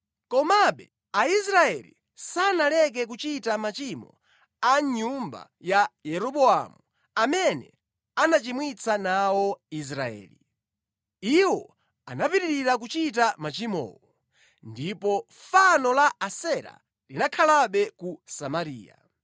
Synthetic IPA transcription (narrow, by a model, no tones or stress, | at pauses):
kɔmaɓɛ | aisɾaɛlḭ | sanalɛk̬ɛk̬ut͡ʃitamat͡ʃimɔ̰ | aɲumba̰ | jajɛɾɔɓɔa̰mu | amɛnɛ̰ | anat͡ʃimwit͡sʰanawɔis̬ɾaɛ̰ːlḭ | iwɔ | anapiɾiɾiɾak̬ut͡ʃit̬amat͡ʃimɔ̰ːwɔ | ndipɔ | fanɔlaasɛɾa̰ | linakʰalaɓɛkusamaɾiːja̰